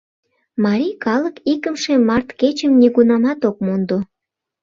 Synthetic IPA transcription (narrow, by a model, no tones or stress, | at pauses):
mɑɾijkɑləkikəmʃemɑrt̪ket͡ɕəmniɣunɑmɑt̪ok̚mond̪o